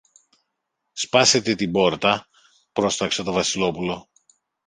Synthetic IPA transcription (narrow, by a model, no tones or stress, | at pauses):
spɐse̞t̪e̞t̪ibo̞ɾt̪ɐ | pɾo̞st̪ɐkset̪o̞vɐsilo̞pulo̞